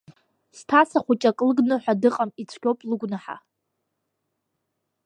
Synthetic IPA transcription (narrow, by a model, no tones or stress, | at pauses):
stʰasaχʷut͡ʃʼakʼlɨɡnɨħʷᶣadɨqʼamit͡sʷʰkʲowpʼlɨɡʷnɨħa̰